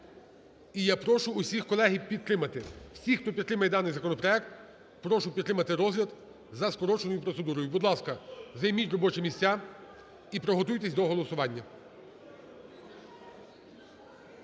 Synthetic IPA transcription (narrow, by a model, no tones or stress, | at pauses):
ijapɾɔʃʊːsʲixkɔlˠɛɦipʲid̪̚t̪ɾɪmɐt̪ɪwsʲixt̪ɔpʲid̪t̪ɾɪmɐjɛd̪ɑnɪjzɐkɔnɔpɾɔɛk̚t̪ | pɾɔʃʊpʲid̪t̪ːɾɪmɐt̪ɪɾɔzlʲɐd̪ | zɐskɔɾɔt͡ʃenɔjʊpɾɔt̪sed̪uɾɔjʊbud̪lˠɑskɐzɐjmʲitʲrɔbɔt͡ʃɛmʲisʲt͡sʲa | ipɾɔɦɔt̪ujt̪esʲd̪ɔɦɔlˠɔsʊʋɑnʲːɐ